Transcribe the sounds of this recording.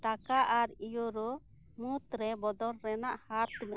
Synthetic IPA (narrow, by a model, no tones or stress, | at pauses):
ʈakaʔaɾijoɾɔ | mut̪ɾɛbɔd̪ɔɾːɛnaʔhaɾt̪imɛ